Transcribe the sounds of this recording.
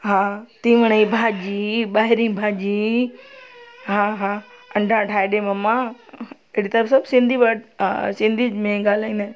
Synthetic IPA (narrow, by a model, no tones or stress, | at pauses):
ɦãːt̪ĩʋəɽ̃əibʱaːd͡ʒiːɓaːɦɪɾĩːbʱaːd͡ʒi | ɦãɦãɐ̃ɳɖʱãʈʰaːɪɗemɐmːã | eɦɽit̪ɐɾəfsɐbsɪ̃nd̪ʱibasɪ̃nd̪ʱimẽɡaːl̤aːĩːnd̪aːn